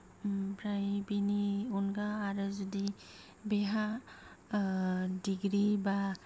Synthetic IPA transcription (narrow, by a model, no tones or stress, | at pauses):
pɾajbiniunɡaːɾɯzudi | beɦa | diɡɾiba